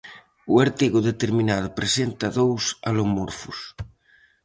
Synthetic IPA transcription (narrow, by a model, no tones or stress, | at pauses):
uaɾt̪iɣoðet̪eɾmĩnað̞opɾesent̪aðowsalomoɾfus